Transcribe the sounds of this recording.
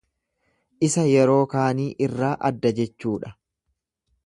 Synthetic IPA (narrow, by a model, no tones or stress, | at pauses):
ʔɪsɐjɛɾo̞ːkaːniːʔɪrːaːʔɐ̰d̪ːɐd͡ʒɛt͡ʃːuːᶑɐ